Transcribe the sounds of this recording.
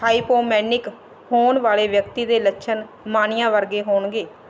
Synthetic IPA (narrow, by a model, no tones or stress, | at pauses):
aːiːpoːmɛːnɪk | hoːnʋaːleːʋjəkt̪iːd̪eːləʃʰən | maːnɪjãːʋəɾɡeːɦoːɳɡeː